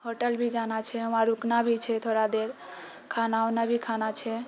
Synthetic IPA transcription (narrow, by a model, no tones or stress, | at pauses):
ɦoʈəlbʱid͡ʒanat͡ʃʰɛəmaɾuknabʱit͡ʃʰɛt̪ʰoɾad̪eɾ | kʰanaonabʱikʰanat͡ʃʰɛ